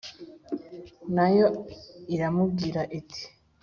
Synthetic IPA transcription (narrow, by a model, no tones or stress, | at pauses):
najoiɾamubɡiːɾaʔitʰi̥